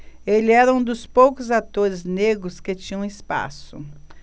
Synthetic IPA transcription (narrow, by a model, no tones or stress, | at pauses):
elɪɛɾɐũd̪ʊspowkʊzat̪oɾɪzneɡɾʊsket͡ʃĩɲɐ̃ɪspa̰sʊ̰